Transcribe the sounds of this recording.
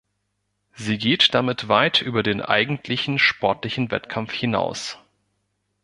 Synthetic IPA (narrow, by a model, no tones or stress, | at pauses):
ziːɡeːtd̥amɪtv̥aɪtʰʔyːbɐdeːnʔa̰ɪɡŋ̩tʰlɪçn̩ʃpɔɐtlɪçn̩vɛ̰tkʰamfhɪna̰ʊs